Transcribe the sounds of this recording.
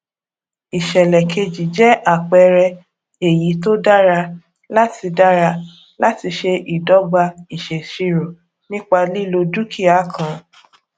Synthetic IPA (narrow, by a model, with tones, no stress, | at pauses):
i˨ʃɛ˨lɛ˨kʰe˧d͡ʒi˨d͡ʒɛ˦ʔa˦˨k͡pɛ˧ɾɛ˧ | e˨ji˨˦to˦da˦ɾa˧ | la˦ti˧da˦ɾa˧ | la˦ti˧ʃe˧ʔi˨dɔ˨˦ɡ͡ba˧i˨ʃe˨ʃi˧ɾo˨ | nĩ˦k͡pa˧li˦lo˧du˦kʰi˦a˦kʰã˨